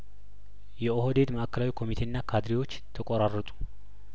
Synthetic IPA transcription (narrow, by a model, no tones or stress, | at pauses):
jɛohod̪e̞d̪məʔakʰːəlawikʰo̞mit̪ʰe̞ɨnːakʰad̪ɾiwo̞t͡ʃːt̪ʰəkʼoɾarːət̪ʼu̥